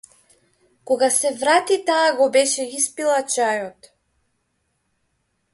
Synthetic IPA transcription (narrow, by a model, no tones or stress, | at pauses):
kɔɡasɛvɾat̪it̪aːɡɔbɛʃɛispilˠat͡ʃajɔt̪